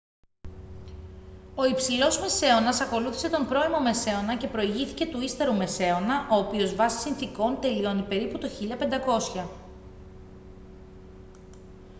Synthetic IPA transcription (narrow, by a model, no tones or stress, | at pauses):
o̞ipsilo̞zme̞se̞o̞nɐsɐko̞luθi̥se̞t̪o̞mpɾo̞imo̞me̞se̞o̞nɐce̞pɾo̞iʝiθi̥ce̞t̪uist̪e̞ɾume̞se̞o̞nɐʔo̞ːpio̞zvɐsi̥sinθiko̞nt̪e̞lio̞nipe̞ɾiput̪oçiʎɐpe̞nd̪ɐko̞sçɐ